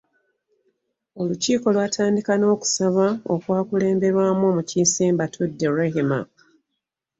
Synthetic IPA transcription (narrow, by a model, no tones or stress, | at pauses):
o̞luciːko̞lwaːtʰaːndikano̞ːku̥saβao̞kwaːkule̞ːmbe̞ɾwaːmo̞ːmucisiːmbatʰudːe̞ɾeɦima̰